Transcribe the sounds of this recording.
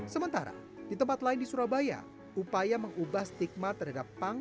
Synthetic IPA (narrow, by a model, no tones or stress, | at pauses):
səmənt̪aɾa̰dit̪əmpat̪laɪndisuɾabaja̰ | upajaməŋubahst̪ik̚mat̪ərɦadapːaŋ